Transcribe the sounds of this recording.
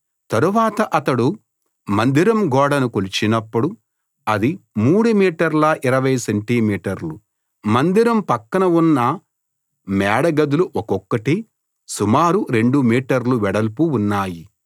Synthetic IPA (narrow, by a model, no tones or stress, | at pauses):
t̪ɐɾuʋaːt̪ɐʔɐt̪ɐɽu | mɐnd̪iɾɐmɡɔːɽɐnukolut͡ʃinɐpːuɽu | ɐd̪imuːɽumiːʈɐɾlɐʔiɾɐʋɐjseɳʈimiːʈɐɾlu | mɐnd̪iɾɐmpɐkːɐnɐunːɐ | mɛːɽɐɡɐd̪uluʔɔkɔkːɐʈi | sumaːɾuɾe̞ɳɖumiːʈɐɾluʋɛɽɐlpuːnːaːji